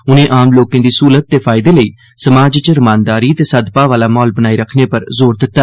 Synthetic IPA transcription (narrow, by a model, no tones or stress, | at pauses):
ʊnẽːʔaːmloːkẽːd̪iːsuːlət̪̚ːeːpʰaːɪd̪eːləiː | səmaːd͡ʒt͡ʃɾəmãːnd̪aːɾiːət̪eːsəd̪paːʋaːlaːmɔːlbənaːiːɾəkʰneːpəɾzoːɾd̪ɪt̪ːa